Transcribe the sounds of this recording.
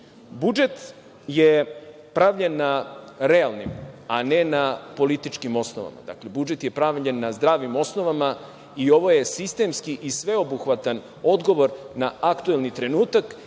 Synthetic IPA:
bud͡ʒe̞t̪ | je | pɾaʋʎenːaɾealˠnimane̞napo̞lit̪it͡ʃkimo̞snoʋa̰ma̰d̪a̰kle̞bud͡ʒe̞t̪je̞pɾaʋʎenːazd̪ɾaːʋimo̞sno̞ʋama | io̞ʋo̞je̞sist̪e̞mskiʔisʋe̞o̞buxʋat̪an | o̞d̪ɡo̞ʋo̞ɾ | naakt̪uelˠnit̪ɾe̞nuːt̪ak

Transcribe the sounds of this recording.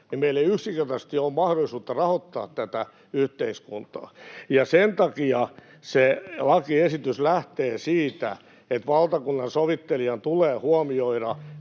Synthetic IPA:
nimmeileiyksiŋkert̪ɑst̪iommɑhɾolisuːt̪ːɑrɑhot̪ːɑ̰ːt̪t̪æt̪æ | yht̪eiskunt̪ɑ̰ːjɑsent̪ɑkiɑ | selɑkiesit̪yslæht̪eːsiːt̪æ̰ | et̪ʋɑlt̪ɑkunːɑnsoʋit̪ːeliɑnt̪uleːhuɑmioiɾɑ

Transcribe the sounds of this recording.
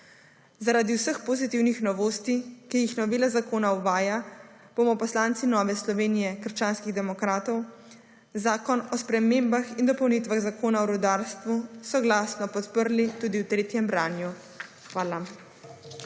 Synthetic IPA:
zaɾaːd̪iwsəxpozit̪iwnixnɔʋoːst̪ikijixnɔʋeːlazakoːnauʋaːja | b̥omɔpɔslaːnt̪sinɔːʋɛslɔʋeːnijɛkəɾʃt͡ʃaːnskiɣd̪ɛmɔkɾaːt̪ɔw | zaːkɔnɔspɾɛmeːmbaxind̪ɔpɔwnit̪ʋaɣzakoːnaɔɾud̪aːɾst̪ʋusɔɡlaːsnɔpɔt̪pəɾlit̪uːd̪iwt̪ɾeːt̪jɛmbɾaːnju | xʋaːla

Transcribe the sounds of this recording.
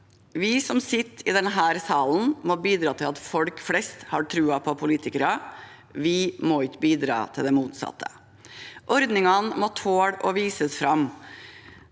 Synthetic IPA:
ʋɪsɔmsɪt̪ːɪd̪ɛnɦæːɾsɑːln̩mɔbiːd̪ɾɑːt̪ʰɪlɑt̪fɔlkflɛst̪hɑːʈʰɾʉːɑpʰɔpʰʊliːt̪ɪkəɾɑ | ʋɪmɔɪkːəbiːd̪ɾɑ̰ːt̪ʰɪld̪ɛmuːt̪sɑ̰t̪ʰːə̰ | ʔɔɾd̪nɪŋɑnmɔt̪ʰoːɽɔʋiːsəsfɾɑm

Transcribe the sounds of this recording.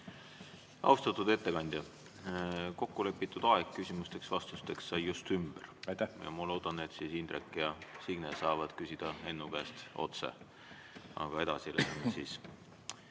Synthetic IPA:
ɑ̰wst̪ɑt̪ˑud̪̥e̞t̪ːe̞kɑnʲd̪̥ʲjɑ | ko̞kːule̞pːˑit̪ːˑud̪̥ɑekkːysʲimust̪e̞ksvɑst̪ust̪e̞ksːɑjːjust̪ymb̥ert̪jɑ̰mɑlo̞wd̪̥ɑnet̪ːsisind̪ɾekːˑjɑsiɡ̥nesɑːvɑd̪̥kysʲid̪̥ɑe̞nːukæːst̪o̞̰t̪sḛ | ʔɑ̰ɡ̥ɑe̞d̪̥ɑsilenensiːs

